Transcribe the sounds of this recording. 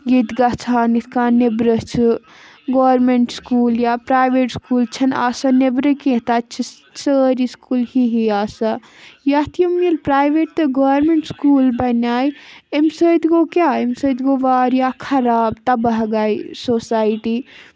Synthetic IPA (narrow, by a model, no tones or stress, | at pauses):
jid̪ɡat͡ʃʰaːnit̪ʰkanebɾət͡ʃʰi | ɡoːɾmeɳʈskuːljapɾaːjʋeːʈskuːlt͡ʃʰɐna̰ːsanebɾəkẽt̪at͡ʃʰi | səːɾiskuːlhiɦiaːsa | jat̪ʰjɐmilpɾaːjʋeʈ̚t̪ɐɡoːɾmeɳʈskuːlbɐnaːjemsəd̪ɡokjaemsəd̪ɡoʋaːɾjakʰɐɾaːbt̪ɐbɐɦɡajsoːsaːjʈi